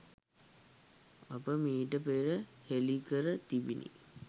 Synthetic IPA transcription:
apəmiːʈəpeɾəhelikəɾət̪ibinʔḭ

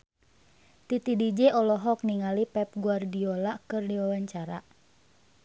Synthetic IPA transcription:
t̪it̪idid͡ʒɛɔlɔɦɔkniŋalipɛp̚ɡuardiolakɨrdiwawaɲt͡ʃaɾa̰

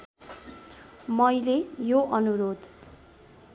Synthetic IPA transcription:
mʌjlejoʔʌnuɾod̪

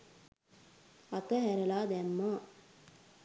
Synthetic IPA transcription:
ɐt̪ɐɦæɾɐlaːd̪æmːaː

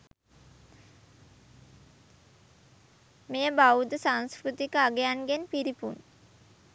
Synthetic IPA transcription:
mejəbawd̪əsaŋskɾut̪ikəaɡejanɡenpiɾipṵn

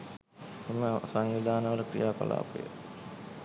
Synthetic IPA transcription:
eməsaŋʋid̪aːnəʋəɾəkɾḭjaːko̰la̰ːpə̰jə̰

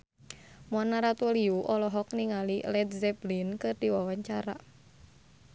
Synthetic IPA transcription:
mɔnaɾat̪uliuʔɔlɔɦɔk̚niŋalilɛd̪̚zɛblinkɨrdiwawaɲt͡ʃaɾa̰

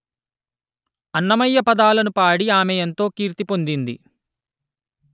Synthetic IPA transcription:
ɐnːɐmɐjːɐpɐd̪aːlɐnupaːɽiaːmejɐnt̪o̞ːkiːɾt̪ipo̞nd̪ind̪ḭ

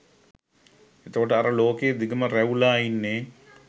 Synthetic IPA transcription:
et̪əkoʈəaɾəloːkeːd̪iɡəməræulaːinːeː

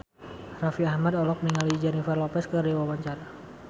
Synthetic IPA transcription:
rafiahmadɔlɔk̚niŋalid͡ʒɛnifarlɔpɛskəriwawaɲt͡ʃaɾa

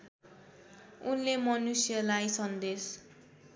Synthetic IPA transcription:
unlemʌnusjʌlajsʌnd̪es

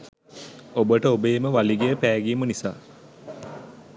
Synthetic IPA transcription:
obəʈəobeːməʋaliɡejəpæːɡiːmənisa̰ː

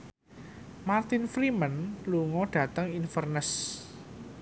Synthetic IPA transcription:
mart̪ɪnfɾimənluŋɔɖ̥ä̤t̪əŋinfərnəs

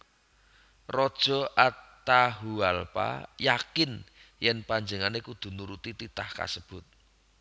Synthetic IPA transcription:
rɔd̥ʒ̥ɔ̤ʔat̪aɦualpa̰jakɪnjɛnpaɲd͡ʒəŋanekud̪̥ṳnuɾut̪it̪it̪ahka̰səb̥ʊt̪̚

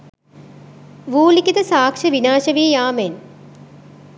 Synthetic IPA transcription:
ʋuːlikʲit̪ɐsaːkʂɐʋinaːʃɐʋiːjaːmen

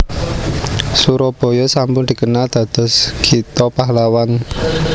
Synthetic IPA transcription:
suɾɔb̥ɔ̤jɔsambʊŋd̪̥i̤kənald̪̥ä̤d̪̥ɔ̤sɡ̥it̪ɔpaɦlawan

